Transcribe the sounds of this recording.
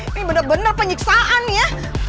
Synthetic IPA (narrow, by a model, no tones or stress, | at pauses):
ibənarbənarpəɲiksaʔanja